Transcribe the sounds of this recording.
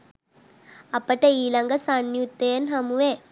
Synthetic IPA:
ɐpːɐʈːɐiːlɐŋɡɐsanjut̪ːeːɐnɦɐmuʋeː

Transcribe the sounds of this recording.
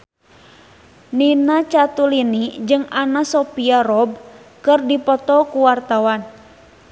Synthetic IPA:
ninat͡ʃat̪ulinid͡ʒɨŋanasɔpiarɔb̚kɨrdipɔt̪ɔkuwart̪awan

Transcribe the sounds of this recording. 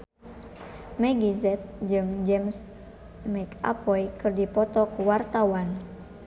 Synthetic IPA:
mɛɡizɛt̪̚d͡ʒɨŋd͡ʒɛms | mɛka̰pɔjkɨrdipɔt̪ɔkuwart̪awan

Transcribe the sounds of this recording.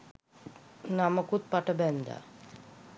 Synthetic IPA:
naməkut̪̚paʈəbɛnd̪a̰

